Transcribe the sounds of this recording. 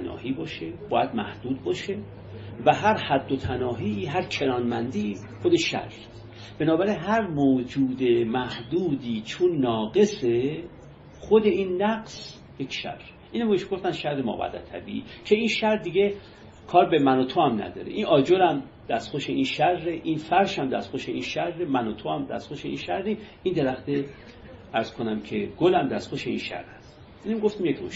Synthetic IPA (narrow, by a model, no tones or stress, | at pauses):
nɒ̰ːhiːbɒːʃe̞bɒːjæd̪̚mæhd̪̥uːd̪̚bɒːʃe̞ | væɦæɾhæd̪ːot̪ʰænɒːɦiːɦæɾcʰe̞ɾɒːnmænd̪i | xod̪eʃæ̰ɾ | b̥e̞nɒːbæɾinɦæɾmoːd͡ʒuːd̪e̞mæhd̪uːd̪iːt͡ʃʰonːɒːɡe̞se | xod̪e̞inːæɡs | jekʰʃæ̰ɾɾ | ʔiːnæmieʃumɡoft̪ænʃæɾːemɒ̰ːbæ̰d̪æ̰t̪ʰæ̰bḭicʰe̞inʃæɾd̪iɡe | kʰɒːɾbemænot̪ʰohæmnæ̰d̪ɒ̰ːɾḛʔinʔɒːd͡ʒolæm | d̪æst̪xoʃeinʃærːeʔinfæɾʃhæmd̪æ̰st̪xoʃeinʃærːemænot̪ʰohæmd̪æ̰st̪xoʃeḭnʃæɾːi | ind̪eɾæxt̪e | æɾz̥kʰonæmcʰe̞ɡ̥olæmd̪æst̪xoʃeḭnʃæ̰ɾːæs | ʔinmiɡoft̪imjekʰmoʃ